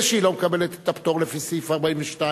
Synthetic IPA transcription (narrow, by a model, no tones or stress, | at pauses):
ʃilawmkabelet̪t̪ːapt̪oʁlefisifaʁbainveʃta